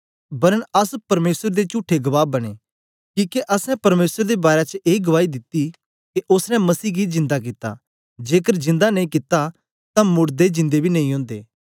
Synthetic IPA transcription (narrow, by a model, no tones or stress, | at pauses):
bɐɾənɐspɐɾmeːsəɾd̪et͡ʃʊːʈʰeɡɐʋaːbɐɽ̃ḛː | kĩːkeʔɐsɛ̃pɐɾmeːsəɾd̪ebaːɾet͡ʃəʔeːɡɐʋaːid̪ɪt̪ːi | keʔʊsnɛ̃mɐsiːɡid͡ʒɪ̃nd̪ak̬ɪt̪ːa̰ | d͡ʒeːkəɾd͡ʒɪ̃nd̪anɐ̃ĩkɪt̪ːa | t̪ãmʊɽd̪ed͡ʒɪ̃nd̪ebʱinɐĩɦõːnd̪ḛː